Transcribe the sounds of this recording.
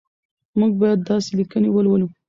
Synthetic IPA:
muɡ̚bɑjad̪ːɑselikənewəlwəlu

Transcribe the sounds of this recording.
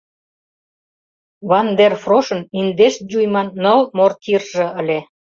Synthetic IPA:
βɑnd̪erfroʃə̆nind̪eʃ̚d͡ʑujmɑnːəlmort̪irʒĕəlʲe

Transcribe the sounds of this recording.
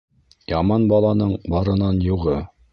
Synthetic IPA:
jɑmɑnbɑlˠɑnɤɴbɑɾɤ̆nɑnjuʁɤ

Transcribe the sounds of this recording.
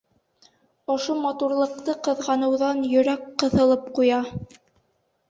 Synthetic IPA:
ŏʃomɑt̪uɾlˠɤ̆q̚t̪ɤqɤ̆ðʁɑnɤ̆wðɑnjɵ̆ɾækqɤ̆θɤ̆lˠɤp̚qujɑ

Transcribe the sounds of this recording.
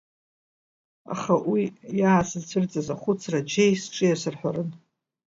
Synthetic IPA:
a̰χawijaːsʰɨzt͡sʰɨrt͡sʼazaχʷʊt͡sʰrad͡ʒejsʈ͡ʂʼɨjasɨrħʷᶣarɨn

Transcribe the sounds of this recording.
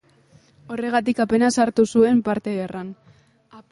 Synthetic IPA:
o̞re̞ɣ̞at̪ikape̞nasaɾt̪usue̞mpaɾt̪e̞βerʔan | a

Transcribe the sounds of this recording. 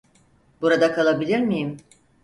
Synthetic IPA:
b̥uɾad̪akʰalˠabilʲiɾmijim

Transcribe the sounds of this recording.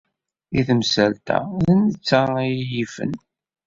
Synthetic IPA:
iθəmsælt̪æ̰ðənət͡sːaijjifə̰n

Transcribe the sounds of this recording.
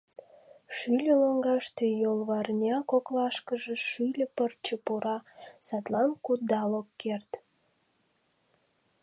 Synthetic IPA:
ʃylʲəloŋɡɑʃt̪ejolβɑrnʲɑkoklɑʃkəʒeʃylʲəpərt͡ɕəpuɾɑsɑt̪lɑnkud̪ɑlokːert̪

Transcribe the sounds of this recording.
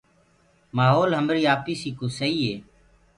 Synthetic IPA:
maːɦoːlɦəmɾiːaːpiːsiːkoːsəiːɦeː

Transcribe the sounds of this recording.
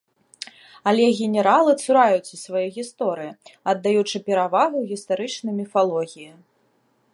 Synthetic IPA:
ɐlʲɛɣʲɛnʲɛɾalˠɨt̪suɾajut͡sʲisvajɔjɣʲist̪ɔɾɨjiɐd̪ːajut͡ʂɨpʲɛɾavaɣuɣʲist̪aɾɨt͡ʂnɐjmʲifalˠɔɣʲiji

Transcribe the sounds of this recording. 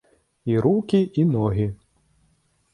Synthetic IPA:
iɾukʲiʔinɔɣʲi

